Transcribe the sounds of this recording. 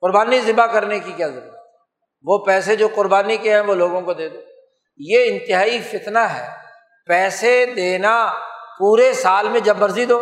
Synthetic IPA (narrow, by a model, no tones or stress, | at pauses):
qʊɾbaːnizɪbakɐɾnekikjaːzɐɾṵːɾəɾət̪ɦɛ | ʋopɛːsed͡ʒoːqʊɾbaːnikeɦɛ̃ʋoloːɡõkod̪eːd̪oː | jeɪ̃nt̪ɪɦaːifɪt̪naɦɛː | pɛːsed̪eːnapuːɾesaːlmẽd͡ʒɐbmɐɾzid̪oː